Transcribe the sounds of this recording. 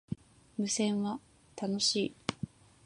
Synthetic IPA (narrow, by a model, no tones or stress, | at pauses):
mɯ̟sẽ̞ɰ̃βa | t̪ano̞ɕiː